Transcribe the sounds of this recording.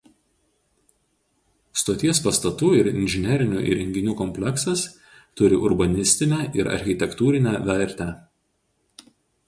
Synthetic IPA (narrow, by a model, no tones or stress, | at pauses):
st̪oːt̪ʲiɛspɐst̪ɐt̪uːɪɾɪ̰nʲʒʲɪnʲɛɾʲɪnʲṵːʔḭɾʲɛŋʲɡʲɪnʲuːkɔmʲpʲlʲɛksɐs | t̪ʊɾʲɪʔʊɾbɐnʲɪsʲt̪ʲɪnʲæʔɪɾɐ̰ɾʲxʲɪt̪ʲɛkt̪uːɾʲɪnʲæʋʲɛɾʲˑt̪ʲæːˑ